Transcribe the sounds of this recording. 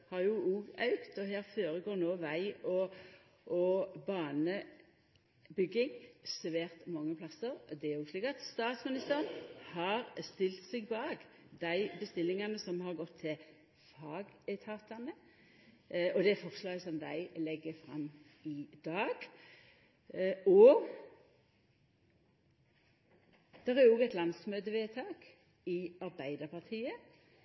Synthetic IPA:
hɑʁjʊuːɡɑʉkt̪ɔɦæːɾføːɾəɡoːɾnoːʋæɪɔ | ʔɔbɑːnə | bʏɡːɪŋsʋæːʁt̪mɑŋːəpʰlɑsəɾd̪ɛæjuːsliːkɑt̪st̪ɑːt̪smɪnɪst̪æːʁənhɑɾst̪ɪlt̪sɛɡbɑːɡd̪æɪbəst̪ɪlːɪŋɑnəsɔmhɑɾɡɔt̪ʰːɪl | fɑːɡɛt̪ʰɑːt̪ɑnə | ɔd̪ɛfɔʁslɑːɡəsɔmd̪æ̰ɪlɛɡːəfɾɑ̰mːɪd̪̥ɑːɡ̥ | ɔ | d̪̥ɛʁæɾoːɡɛt̪lɑnsmøːd̪əʋeːt̪ʰɑːk | ɪɑɾbæɪd̪əpʰɑʁt̪ʰiːə

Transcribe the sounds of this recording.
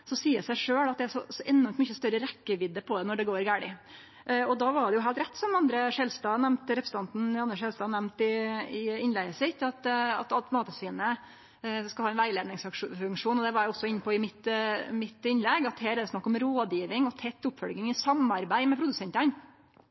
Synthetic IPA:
sɔsiːəsæɪʂøːɭɑt̪d̪ɛæɾʂɔsɔʔɛnːɔɾmt̪mʏçəst̪œɾəɾɛkːəʋɪd̪ːəpʰɔd̪ɛnɔɖɛɡoːɾɡæːɽɪ | ʔɔd̪ɑʋɑɖɛjʊhɦæːlt̪ɾɛt̪ːsɔmɑnd̪ɾəʂɛlst̪ɑːnɛmt̪ɾɛpɾs̩ʰɑnt̪n̩ɑnəʂɛlst̪ɑːnɛmt̪ɪɪɪnlɛɡəsɪt̪ːɑt̪ɑ̰t̪ɑlt̪mɑːt̪əsʋiːnə | skɑlhɑːɛnʋæɪleːd̪nɪŋsfʉŋkʂuːnɔd̪ɛʋɑɾʊɔsːɔɪnːəpɔɪmɪt̪mɪt̪ɪnːlɛɡɑt̪heːɾæd̪ɛsnɑkːɔmɾoːd̪jiːʋɪŋɔt̪ʰɛt̪ːʊpfɔlɡɪŋɪsɑmɑɾbæɪmɛpʰɾʊd̪ʉsɛnt̪ɑn

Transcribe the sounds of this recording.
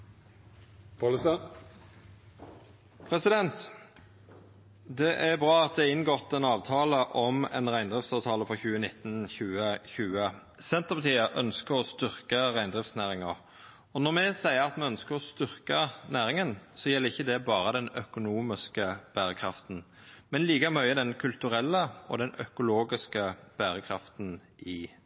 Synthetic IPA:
pɑləst̪ɑ | pʰʁɛsɪd̪ɛnt̪ | d̪ɛʔæbʁɑːɑt̪̚d̪ɛɪnːɡɔt̪ːɛnɑːʋt̪ʰɑːləʔɔmɛ̰nʁæɪnd̪ʁɪftsɑʋt̪ʰɑːləfɔçʉːənɪt̪ːnçʉːəçʉːə | sɛnt̪əʁpɑt̪ʰiːəʔœ̰nskəʁɔst̪ʏʁkəʁæɪnd̪ʁɪftsnæːɾɪŋəʁ | ɔnɔʁmɛsæɪəʁɑt̪mɛœnskəɾɔst̪ʏʁkənæːɾɪŋənsɔjɛlːəɪçːəd̪ɛbɑːɾəd̪ɛnœkʊnuːmɪskəb̥æːɾəkʰɾɑft̪n̩ | mɛnliːɡəmœʏəd̪ɛnkʰʉlt̪ʉɾɛlːəɔ̰d̪ɛnœkʊloːɡɪskəb̥æːɾəkʰɾɑft̪n | ɪ

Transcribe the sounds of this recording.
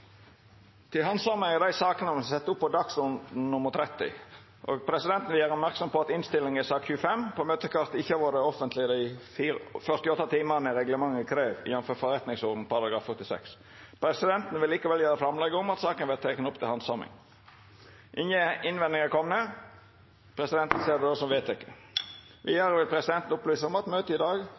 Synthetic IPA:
t̪ʰɪlɦɑnsɑmɪŋɑd̪æɪsɑːkənəsɛt̪ːəʊpːɔd̪ɑksʊn̩nʊməʁt̪ʰɾɛt̪ːɪ̰ | ʔo̰ːɡpʰɾɛsɪd̪ɛnt̪n̩ʋɪlæːɾɔpmæʁksɔmpɔɑt̪ɪnst̪ɪlːɪŋɪsɑːkçʉːfɛmpʰɔmøːt̪əkʰɑʁt̪ɪçːəɑʋoːdəɔfənt̪lɪd̪æɪfiːfœʁst̪ɪɔt̪ːɑt̪ʰiːmɑnəɾɛɡləmɑŋːəkʰɾeːʋɪ̰jɛnfɔfɔɾɛt̪nɪŋsɔːʁd̪n̩pɑɾɑɡɑːfœt̪ɪsɛ̰ks | pʰɾɛsɪd̪ɛnt̪n̩ʋɪlːiːkɑʋɛljøːɾəfɾɑmlɛɡəʊmɑt̪sɑːkənʋɛlt̪ʰeːkənʊpt̪ʰɪlhɑnsɑmɪ̰ŋ | ʔɪnjəɪnʋɛnd̪ɪŋəkʰɔmnə | pʰɾɛsɪd̪ɛnt̪n̩seːd̪ɛosɔmʋeːt̪ɪkːə̥ | ʋɪjæɾəʋɪlpʰɾɛsɪd̪ɛnt̪n̩ʊplyːsəɔmɑt̪møːt̪əɪd̪ɑːɡ

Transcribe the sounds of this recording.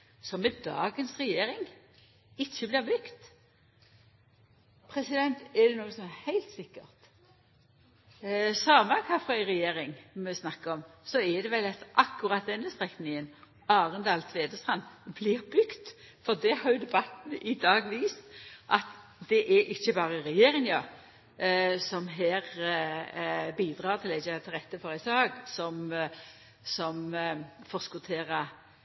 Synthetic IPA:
sɔmɛd̪ɑ̰ːɡənsʁɛjeːɾɪŋ | ɪçːəblɪʁbʏkt̪ | pʰʁɛsɪd̪ɛnt̪ɛd̪ɛnuːəsɔmɛhæɪlt̪sɪkːəʁt̪ | sɑːməkʰɑfʁœɪʁɛjeːʁɪŋmɛɪsnɑkːəɔmsɔɛd̪ɛʋɛlːɑt̪ʔɑkːʊʁɑt̪̚d̪ɛnːəst̪ʁɛknɪŋən | ɑːʁənd̪ɑːlt̪ʰʋeːd̪əst̪ʁɑnblɪʁbʏɡt̪fɔʁd̪ɛhɑʁjʊd̪ɛbɑt̪ːənʔɪd̪ɑːɡʋiːst̪ʔɑt̪ | d̪ɛʔɛʔɪçːəbɑːʁəɾɛjeːʁɪŋjɑʁ | sɔmɦeːʁ | biːd̪ʁɑːʁt̪ʰɪlæçət̪ʰɪlʁɛt̪ːəfɔʁəsɑːɡsɔm | sɔmfɔʁskʊt̪ʰeːʁə

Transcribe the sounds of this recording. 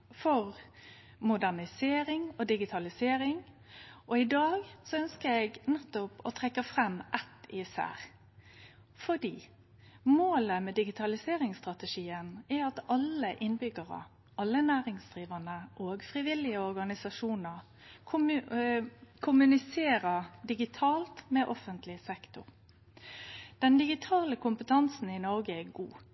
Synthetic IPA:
fɔʁ | mʊd̪æʁnɪseːɾɪŋɔd̪ɪɡɪt̪ʰɑlɪseːɾɪŋ | ʔɔɪd̪ɑːɡsɔœnskəɾɛɡnɛt̪ːɔpɔ̰t̪ʰʁɛkːəfʁɛmːʔɛt̪ɪsæ̰ːʁ | fɔd̪iː | moːləmɛd̪ɪɡɪt̪ʰɑlɪseːʁɪŋst̪ʁɑt̪əʂiːənɛɑt̪ɑləʔɪnbʏɡəʁə̰ | ʔɑlːənæːʁɪŋsd̪ʁiːʋənəʔoːɡfʁɪʋɪlɪəɔɾɡɑnɪsɑʂuːnəʁ | kʰʊ | kʰʊmʉnɪseːɾəd̪ɪɡɪt̪ʰɑːlt̪mɛʔɔfənt̪ʰlɪsɛkt̪ʊʁ | d̪̥ɛnd̪ɪɡɪt̪ʰɑːləkʰʊmpət̪ʰɑnsn̩ɪnɔɾɡəɛɡṵː

